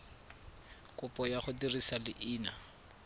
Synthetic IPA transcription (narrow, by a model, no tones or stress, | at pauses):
kʼʊpʼɔjaχʊdirisalɪʔiːna